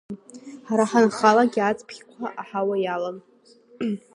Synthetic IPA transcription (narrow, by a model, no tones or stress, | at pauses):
ħaɾaħanχalaɡʲat͡sʼpʰχʲkʷʰaʔaħawajalan